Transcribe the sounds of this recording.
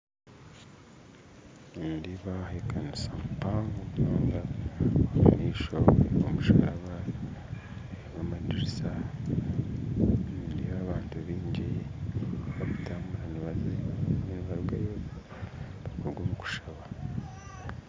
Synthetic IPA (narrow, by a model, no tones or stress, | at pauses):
ndiβahekanisamupaŋɡoβunoːnɡaamuniːʃoomuʃa̰aβa | βamadiɾisa | ndiaβaːntuβiːɲɟi | βaβutamuɾaniβaziiniβaɾuɡajo | βakoɾɡomuku̥ʃaβa